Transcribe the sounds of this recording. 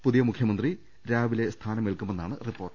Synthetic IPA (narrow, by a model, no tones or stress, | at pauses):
puðijɐmukʰjɐmɐnd̪ri | ɾaːʋile̞st̪ʰaːnɐmeɭkumːenːaːɳɨripːo̞ːrʈ